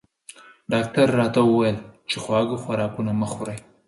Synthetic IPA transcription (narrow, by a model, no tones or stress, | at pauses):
ɖɑk̚ʈaɾːɑt̪awəwajəlt͡ʃexwɑɡoxwaɾɑkunaməxʊɾaj